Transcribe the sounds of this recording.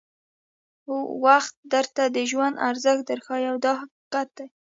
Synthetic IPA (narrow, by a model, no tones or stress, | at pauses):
uwaxt̪̚d̪əɾt̪ad̪əʒwand̪aɾzəxd̪əɾxɑjawd̪ɑha | qat̪̚d̪aj